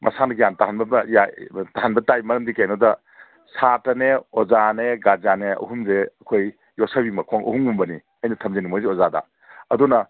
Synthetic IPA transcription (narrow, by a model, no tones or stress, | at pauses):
mʔɐ̰sanɐɡijantaɦanbɐjataɦanbɐtajmɐɾɐmdikajnodɐ | sʰatɐneozaneɡazaneɐ̰ɦumzeɐkʰoj | josɐbimɐkʰoŋʔɐ̰huŋumbɐni | ɐjnɐtʰɐmzenimojziozadɐ̰ | ɐdunɐ